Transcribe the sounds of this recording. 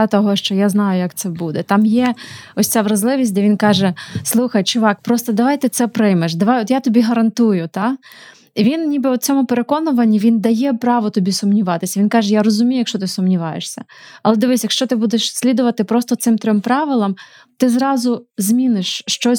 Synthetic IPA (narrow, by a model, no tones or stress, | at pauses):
at̪ɔɦɔʃt͡ʃɔjaznɑjʊjɐkt̪sɛbud̪ɛt̪ɑmjɛɔsʲt͡sʲaʋɾɐzlˠɪʋʲis̚ʲd̪ɛʋʲinkɑʒɛslˠuxɐjt͡ʃʊʋɑk̚pɾɔst̪ɔd̪ɐʋɑjt̪ɪt̪sɛpɾɪjmeʃd̪ɐʋajɔt̪jat̪ɔbʲiɦɐɾɐnt̪ujʊt̪ɑ | iʋʲinnʲibɛɔt͡sʲɔmʊpeɾe̞kɔnʊʋɐnʲːiʋʲind̪ɐjɛpɾɑʋɔt̪ɔbʲisʊmnʲiʋɑt̪ɪsʲɐʋʲinkɑʒɛjaɾɔzʊmʲijɐkʃt͡ʃɔt̪ɪsʊmnʲiʋɑjeʃsʲɐ̰ | ɐlˠɛd̪ɪʋɪsʲjɐkʃt͡ʃɔt̪ɪbud̪eʃsʲlʲid̪ʊʋɐt̪ɪpɾɔst̪ɔt̪sɪmt̪ɾʲɔmpɾɑʋɪlˠɐm | t̪ɪzɾɑzʊzʲmʲinɪʃːt͡ʃɔ